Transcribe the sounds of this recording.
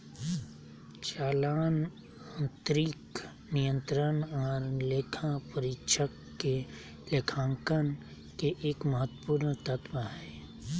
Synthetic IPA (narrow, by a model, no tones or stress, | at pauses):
t͡ʃaːlaːn | ə̃nt̪ɾik | nijə̃nt̪ɾənɔːɾlekʰãpəɾɪkʃʰəkːe | lekʰãːŋkən | keʔeːkməɦət̪ːpuːɾnt̪ət̪waɦɛː